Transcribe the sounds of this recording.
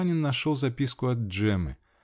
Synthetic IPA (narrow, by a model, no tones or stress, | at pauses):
nʲɪnːɐʂolˠzɐpʲiskʊɐd̪̚ʐɛmɨ̰